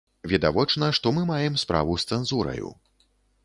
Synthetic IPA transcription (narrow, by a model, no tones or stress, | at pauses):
vʲɛd̪avɔt͡ʂnɐʂt̪ɔmɨmajɛmspɾa̰vust̪sɛnzuɾɐ̰jṵ